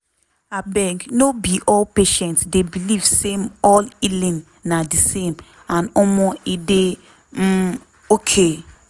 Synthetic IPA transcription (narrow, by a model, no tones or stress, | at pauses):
abɛ̃ŋɡnobiʔɔlpeʃɛ̃ntsdebiliv̥semɔlilĩnː | adisẽm | ãnɔmɔide | m̩ | okʰe